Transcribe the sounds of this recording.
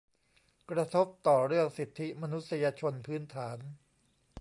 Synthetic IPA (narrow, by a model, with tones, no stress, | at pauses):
kɾa˧t̪ʰo˦˥p̚t̪ɔː˨˩ɾɯ˥˩əŋsi˨˩t̪ʰːi˦˥ma˧nu˦˥t̪̚sa˧jaː˧t͡ɕʰo˧npʰɯː˦˥nt̪ʰaː˩˦n